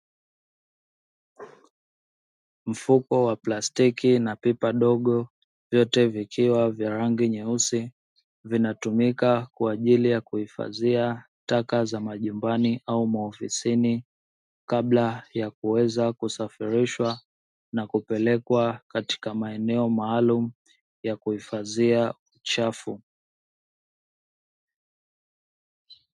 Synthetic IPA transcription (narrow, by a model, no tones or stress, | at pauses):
m̩fukɔwaplastikinapipaɗɔɠɔ | vjɔtɛvikʰiwavjaɾaŋɡiɲɛusi | vinatumikakwaːʄilijakuhifa̰zia | takazamaʄumbaniʔaumaɔfisini | kaɓlajakuwɛzakusafiɾiʃwa | nakupɛlɛkwakati̥kamaɛnɛɔmaːlum̩ | jakuhifazia | ut͡ʃafu